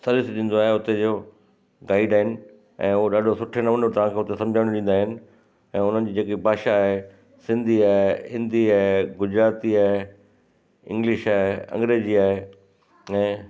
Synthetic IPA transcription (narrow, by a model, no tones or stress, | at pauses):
sɐlɪsɗĩn̆d̪oaːɦeʊt̪ed͡ʑoː | ɡaːɪɖaːɦɪnɪ̆ | ɛ̃ːʊɦoɗaːɖʱosʊʈʰenɐʋənot̪ɐʋ̤ãkʰeːʊt̪esɐ̃md͡ʑʱaːɽ̃iɗĩːn̆d̪aːɦɪnɪ̆ | ɛ̃ːʊn̤ənɪ̆d͡ʑiːd͡ʑeːkibʱaːʃaːɦe | sɪ̃nd̪ʱiaːeɦɪ̃nd̪ʱiaːɦeɡʊd͡ʑɾaːt̪iaːɦe | ɪ̰̃ŋɡlɪʃaːɦeɐ̰̃ŋɡɾeːd͡ʑiaːɦe | ɛ̃ː